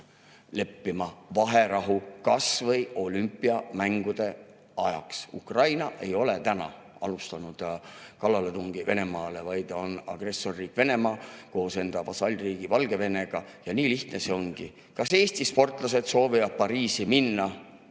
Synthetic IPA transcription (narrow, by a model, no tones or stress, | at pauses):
le̞pːimɑvɑɦe̞ɾɑɦukɑsvɤjo̞lympːˑiɑmæŋɡ̥ud̪̥e̞ | ɑjɑ̰ksṵkrɑjnɑʔe̞jo̞let̪ænɑ̰ | ɑ̰lust̪ɑnud̪̥kɑlːɑle̞t̪uŋɡ̥ive̞ne̞mɑːlevɑjd̪̥o̞nɑ̰ɡ̥re̞sːo̞rːiːkːve̞ne̞mɑːko̞ːse̞nd̪̥ɑvɑsɑlʲriːɡ̥ivɑlɡe̞ve̞ne̞ɡ̥ɑjɑniːliht̪nese̞o̞ŋɡ̥i | kɑse̞ːst̪ispo̞rt̪ˑlɑs̬e̞d̪̥so̞ːvivɑd̪̥̚pɑɾiːsiminːɑ